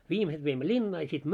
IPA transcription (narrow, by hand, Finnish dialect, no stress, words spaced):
ʋiːmeset ʋeimːø lʲinːɑː jɑ sit